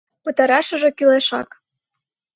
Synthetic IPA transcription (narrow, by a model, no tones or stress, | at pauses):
pə̆t̪ɑɾɑʃə̆ʒĕkyleʃɑ̰k